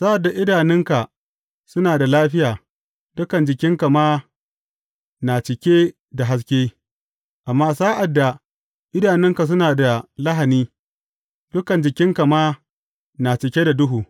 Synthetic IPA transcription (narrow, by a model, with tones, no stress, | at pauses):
saː˦ʔa˨dːa˨ʔɪ˦daː˨nɪ˦ŋka˨ | sʊ˦naː˨da˨laː˦ɸɪ˦jaː˨ | dʊ˦kɐ˨nd͡ʒɪ˨kʲɪ˦ŋka˨maː˦ | na˨t͡ʃɪ˨kʲeː˦ | da˨ɦa˦s̬kʲeː˦ | ʔa˨mːaː˦saː˦ʔa˨dːa˨ | ʔɪ˦daː˨nɪ˦ŋka˨s̬ʊ˦naː˨da˨la˦ɦa˨niː˦ | d̥ʊ˦kɐ˨nd͡ʒɪ˨kʲɪ˦ŋka˨maː˦ | na˨t͡ʃɪ˨kʲeː˦da˨dʊ˦ɦuː˨